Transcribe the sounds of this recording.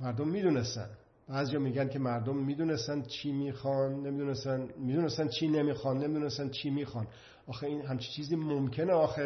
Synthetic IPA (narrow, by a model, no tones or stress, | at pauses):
mæɾd̪omːiːd̪unest̪æ̰n | b̥æːzijɒːmiːɡænkʲʰemæɾd̪omːiːd̪unesænt͡ʃʰiːmiːxɒnːemid̪unesænmiːd̪unest̪ænt͡ʃʰiːnemiːxɒnːemid̪unest̪ænt͡ʃʰiːmiːxɒn | ɒːxeiːnɦæmt͡ʃʰi̥t͡ʃʰiːziːmomcʰe̞neɒːxe